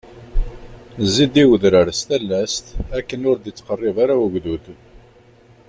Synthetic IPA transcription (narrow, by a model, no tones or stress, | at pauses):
zːid̪iwəðɾəɾst̪ælːæst̪ækːənʊɾd̪it͡sːqərˤːɪvaɾawəɡðuθ